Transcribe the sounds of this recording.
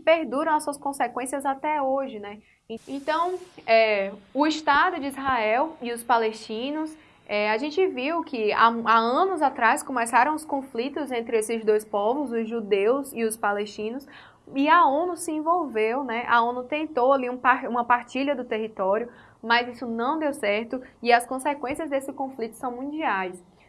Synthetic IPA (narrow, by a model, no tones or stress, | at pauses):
peɾd̪uɾɐ̃w̃asuɐskõsekwẽsiɐzat̪ɛoʒɪnɛ | ẽẽt̪ɐ̃w̃ɛʊiʃt̪ad̪ʊd͡ʒɪizɦaɛwiʊspaleʃt͡ʃĩnʊs | ɛaʒẽt͡ʃɪviwkʰɪa̰aɐ̃nʊzat̪ɾajskõmɛsaɾɐ̃w̃ʊskõflit̪ʊzẽnt̪ɾɪesɪzd̪ojspɔvʊzʊzʒud̪ewziʊspaleʃt͡ʃĩnʊs | ɪaõnʊsɪẽvowvewnɛʔa̰õnʊt̪ẽnt̪owaliũpaũmɐpaɾt͡ʃiʎɐd̪ʊt̪eɦit̪ɔɾiʊ | mɐzisʊnɐ̃w̃d̪ewsɛɾt̪ʊɪɐskõsekwẽsiɐzd̪esɪkõflit̪ʊ̥sɐ̃w̃mũd͡ʒiajs